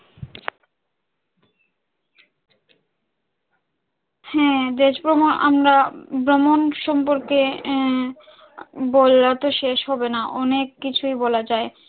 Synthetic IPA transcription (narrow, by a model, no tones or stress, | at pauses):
hɛd̪eʃbɾomona̰mɾabɾomonʃɔmpoɾke | bolat̪oʃeʃɦɔbenaʔɔnekːit͡ɕʰujbolad͡ʑae